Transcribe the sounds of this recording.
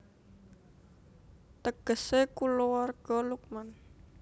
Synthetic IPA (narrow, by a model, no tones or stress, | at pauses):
t̪əɡ̥ə̤sekulowarɡ̥ɔ̤luk̚man